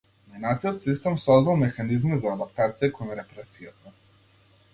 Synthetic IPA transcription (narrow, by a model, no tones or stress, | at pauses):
minat̪iot̪sist̪ɛmsɔznalˠmɛxanizmɛzaːd̪ap̚t̪at̪sijɛkɔjɛɾɛpɾɛsiɾat̪a